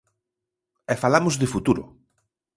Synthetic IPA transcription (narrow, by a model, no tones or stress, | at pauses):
ɛfalamʊzðɪfut̪uɾʊ̰